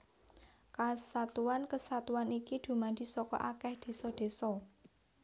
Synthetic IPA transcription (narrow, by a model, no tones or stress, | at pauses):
kasat̪uankəsat̪uanikid̪̥ṳmand̪̥i̤sɔkɔ̰ʔakɛhd̪̥e̤sɔd̪̥e̤sɔ